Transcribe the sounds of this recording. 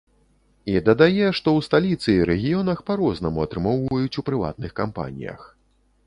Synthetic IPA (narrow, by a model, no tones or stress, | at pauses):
id̪ɐd̪ajɛʂt̪ɔwst̪alʲit̪sɨːɾɛɣʲijɔn̪ɐxpaɾɔznɐmuɐt̪ɾɨmɔwvɐjut͡sʲupɾɨva̰t̪̚nɨxkampa̰nʲḭjɐ̰x